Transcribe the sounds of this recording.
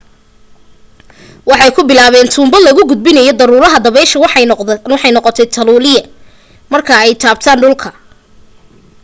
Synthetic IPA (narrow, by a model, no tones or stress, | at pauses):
wɑħɑjkʰʊbɪlaːβɛːnt̪ʰuːmbɐlɐɣʊɡʊd̪̚bɪnɐjɔd̪ɐɾuːɾɐɦɐd̪ɐβɛʃɐwwɑħɑjnɔqɔt̪ʰɛjt̪ʰɐluːlɪjɐ | mɐrkʰɐɛjt̪ʰaːb̚t̪ʰaːnɖʊlkʰɐ